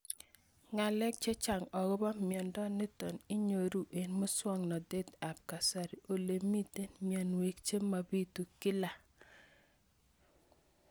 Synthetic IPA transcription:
ŋa˨lɛ˦k̚t͡ʃe˦t͡ʃa˨ŋɔ˨ɡɔ˦ba˦mjɔ˨ndɔ˦nɪ˦tɔ˨nɪ˦ɲo˨ɾu˦ʔe˨nmʊ˦swɔ˦ŋnɔ˨de˦t̪a˨p̚ka˨sa˨ɾi˨ʔo˨le˨mi˦te˦nmi˨ɛ˨nwe˨kt͡ʃe˦ma˨bi˦tu˨kɪ˦la˨

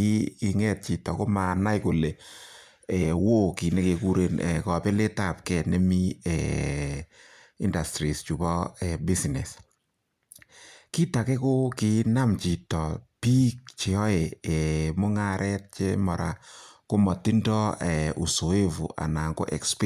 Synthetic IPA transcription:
i˦ki˨ŋɛ˦t̚t͡ʃi˨tɔ˨ko˦ma˨na˦jko˨le˨ | ɛ˨wo˦ki˨ne˦ke˨ku˦ɾe˨nɛ̰˨kɔ˨pɛ˦le˦ta˦˨p̚kɛ˨ne˦mi˦ɛ˨ | i˦nda˨stɾi˨st͡ʃu˨bɔ˦ɛ˨bi˦snɛ˨s | ki˦ta˨kɛ˦ko˦ki˨˦na˦mt͡ʃi˨tɔ˨pi˦k̚t͡ʃe˨ɔ˦e˨ɛ˨mo˦ŋa˦ɾʔɛ˦t̚t͡ʃe˦mɔ˨ɾa̰˨ko˦mɔ˨ti˦ndɔ˦ɛ˨ʔu˨so˨e˦vṵ˨ʔa̰˨na˨ŋɡo̰˦ʔɛ˨ksp

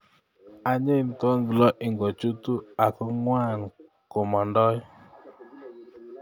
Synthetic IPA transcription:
a˨ɲe˦˨ntɔ˦ŋɡlɔ˦ʔɪ˨ŋɡɔ˨t͡ʃu˦tu˦a˨kɔ˦ŋwa˦˨n | ko˨mɔ˨ndɔ˦j

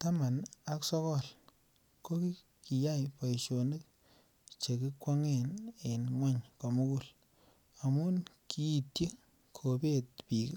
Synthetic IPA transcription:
ta˦ma˨na˨ksɔ˦kɔ˦˨l | ko˦ki˦ | ki˨ja˦jpa˨jʃo˨nde˦k̚ | t͡ʃe˨ki˦kwɔ˦ŋe˦˨ne˨nŋwa˦ɲko˨mu˦ku˦˨l | a˨mu˦nkiː˦˨tje˦ | kʰo˨be˦t̚pi˨k

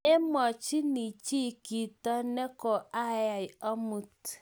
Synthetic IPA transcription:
e˦mɔ˨t͡ʃi˦ni˨t͡ʃi˦˨ki˨tɔ˦nɛ˦kɔ˨ʔa˦ja˨jɔ˦mu˨t

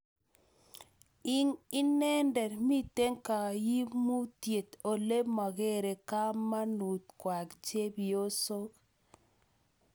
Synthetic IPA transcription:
i˦ŋi˦nɛ˦ndɛ˨ɾmi˦te˦ŋka˨ji˦mu˦tje˨t̪o˨le˦ma˨ɣe˦ɾe˨ka˦ma˦nu˨t̪kwa˨kd͡ʒe˦bi˨o˦so˦k

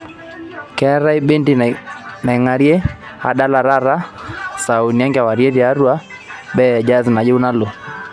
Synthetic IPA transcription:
kɛ˦ɾa˦i˦ɓe˦ndi˦na˨i˨ŋa˨ɾi˦ɛ˦ha̰˨ɗa˦la˨ɾa˦ɾa˦sa˨u˨ni˨a˦ŋɡɛ˨a˨wa˨ɾi˦ɛ˦ɾi˨a˦ɾu˦a˦ | ɓɛ˦˨d͡ʒa˦zna˨ʄɛ˦u˦na˦lɔ˨

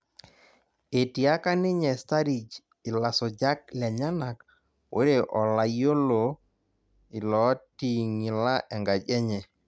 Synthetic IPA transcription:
e˨ti˨a˦ka˦nɪ˦ɲɛ˨sta˦ɾi˨d͡ʒ | ɪ˨la˨sɔ˨d͡ʒa˦k̚lɛ˨ɲa˦na˨k | wʔe˦ɾe˨ʔɔ˨la˨jo˦lo˨ | ɪ˨lɔ˨˦ti˦ŋɪ˨la˦ʔɛ˨ŋɡa˨d͡ʒɛ˦ɲɛ˨

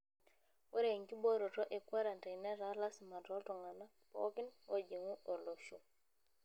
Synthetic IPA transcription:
wɛ˦ɾe˨ŋki˦bɔ˦ɾɔ˨tɔ˦ʔɛ˨kwa˦ɾa˨nta˨nɛ˦ɾa˨˦la˦si˨ma˨tɔ˦tɔ˨ŋa˨na˦pɔ̰˦kɪ˦nwɔ˦d͡ʒe˨ŋu˦ʔɔ˨lɔ˨su˦

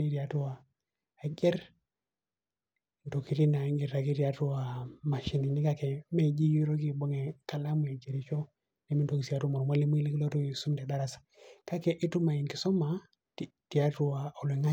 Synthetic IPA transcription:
i˦ɾi˨a˨tu˦wa˨ | a˨ɡɛ˦ɾ | n˨to˨ki˨ɾi˦na˨˦ŋɡi˨ɾa˨ki˦ɾi˨a˦tu˦a˨ma˨ʃi˨ni˨ni˦ka˦kɛ˨me˦˨d͡ʒi˦ju˦ɾɔ˦ki˦˨bɔ˦ŋɛ˨ka˨la˦mu˨e˨d͡ʒe˨ɾi˨t͡ʃo˦ | li˨mi˦nto˨ki˨si˨a˨˦tu˦mɔ˨ɾma˦li˦mu˦i˦li˦ki˦lɔ˦to˦i˨su˦mdɛ˨da˦ɾa˨sḁ˨ka˦kɛ˨ʔi˦tu˦ma˨i˨nki˨sɔ˦ma˨ | ti˨a˦tu˦a˨ɔ˨lɛ˨ŋa˦

